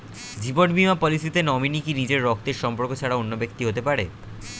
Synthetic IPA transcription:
d͡ʑiboʈbimapɔlisit̪enɔminikinid͡ʑeɾːɔk̚t̪eɾʃɔmpoɾkot͡ɕʰaɽaonːobekt̪iɦot̪epaɾe

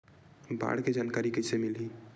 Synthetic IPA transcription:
ba̰ɽked͡ʒaːnkaɾikesemilɦi

